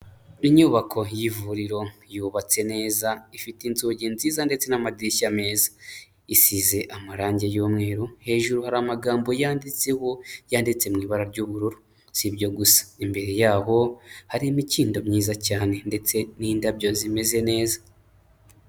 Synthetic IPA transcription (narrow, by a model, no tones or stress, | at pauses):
iɲuβakʰo̞jivuɾiɾo̞juːβat͡se̞ne̞ːzaifitinzoːɟinziːzande̞t͡se̞namadiʃame̞ːzḁ | isize̞ʔamaɾaːɲɟe̞joːmŋe̞ːɾohe̞ːʒuɾuhaɾamaɡaːmbo̞jaːndit͡se̞ho̞jaːndit͡se̞mŋiːβaɾaɾɟuːβuɾuɾu | sibɟo̞ɡusḁimbe̞ɾe̞jaːɦo̞haɾimiciːndo̞mɲiːzacaːne̞nde̞t͡se̞niːndabɟo̞zime̞ze̞ne̞ːza